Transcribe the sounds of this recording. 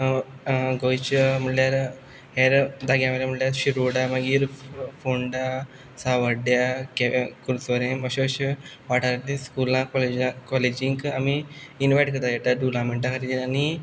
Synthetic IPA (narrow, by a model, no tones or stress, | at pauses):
ɡojt͡ɕm̤əʈljaɾ | ɦeɾd̪aɡjameɾaməʈljaɾɕiɾuɽaməɡiːɾfoɳɖa | saʋəɖjakekuɾsʋəɾẽməɕoɕ | ʋaʈaɾat̪ĩskulãkɔled͡ʑãkɔled͡ʑiŋkamiːnʋajʈkət̪ajɛʈ̪aɖulãmeɳʈãkʰəɾit̪inani